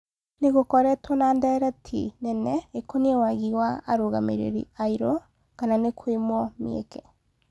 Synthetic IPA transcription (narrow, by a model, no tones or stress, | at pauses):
neɣokɔɾɛtwɔnandɛɾɛtʰḭnɛnɛekoniewaɣiwaːɾoɣa̰mḛɾḛɾḭaiɾɔ | kananekʰoemwɔmḭḛkɛ